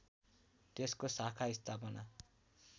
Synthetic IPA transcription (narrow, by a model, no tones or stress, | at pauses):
t̪eskosakʰaist̪ʰapʌna